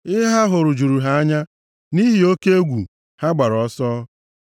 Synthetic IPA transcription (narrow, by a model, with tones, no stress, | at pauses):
ɪ˦ɦa˦ɦʊ˨ɾʊ˨d͡ʒu˨ɾu˨ɦa˨a˦ɲa˦ | ni˦ɦi˨o˦ke˦e˦ɡʷu˨ | ha˦ɡ͡ba˨ɾɔ˨sɔː˦